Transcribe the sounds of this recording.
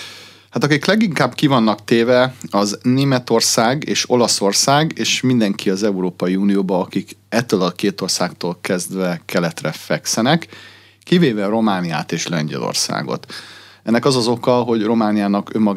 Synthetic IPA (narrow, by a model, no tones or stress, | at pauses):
hat̪ɒkiklɛɡiŋkaːbkivɒnːɒkt̪eːvɛɒzneːmɛt̪o̞rsaːɡḛːʃo̞lɒso̞rsaːɡeːʃmind̪ɛŋkʰiɒzɛuɾoːpɒjiuːnijoːbɒːkikɛt̪ːøːlɒkeːt̪o̞rsaːkt̪oːlkɛzd̪ʋɛkɛlɛt̪rɛfɛksɛnɛkː | iveːvɛro̞maːnija̰ːt̪eːʃlɛɲɟɛ̰lo̰rsa̰ːɡo̞̰t̪ɛnːɛkɒzɒzo̞kɒɦo̞ɟro̞maːnijaːnɒkømːɒɡ